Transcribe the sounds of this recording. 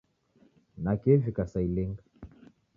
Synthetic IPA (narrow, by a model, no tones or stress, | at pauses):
nakefikasailiŋɡa